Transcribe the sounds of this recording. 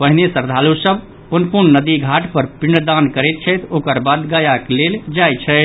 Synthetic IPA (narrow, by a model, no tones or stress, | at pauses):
pəɦinesəɾd̪ʱalusəb | punpuɾnnəd̪iɡʱaʈpəɾpiɳd̪ankəɾɛt̪̚t͡ʃʰəjt̪okəɾbad̪ɡajakleld͡ʒaj̪t͡ʃʰɛɪ